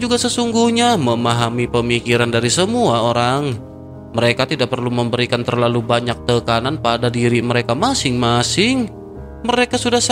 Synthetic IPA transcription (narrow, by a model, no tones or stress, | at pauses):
d͡ʒuɡasəsuŋɡuhɲaməmaɦamipəmikiɾandaɾisəmuaoɾaŋ | məɾekat̪idaʔ̚pərluməmbəɾikant̪ərlalubaɲak̚t̪əkananpadadiɾiməɾekamasɪŋmasɪŋ | məɾekasudahs